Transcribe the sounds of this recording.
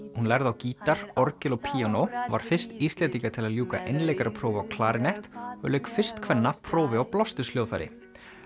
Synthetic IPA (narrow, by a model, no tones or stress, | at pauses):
hunlɛɾðawciːt̪aɾ̥ɔɾcɪlɔɣpʰiːanowvaɾ̥fɪr̥st̪ist̪lɛnt̪iŋkat̪ʰɪlaðljuːka̰ʔejnlejkaɾapʰɾoːwvaːwkʰlaːɾɪnɛjht̪ɔlœɥkfɪr̥st̪kʰvɛnːapʰɾoːwvɪawplɔst̪ʏsljoːwðfajɾɪ̰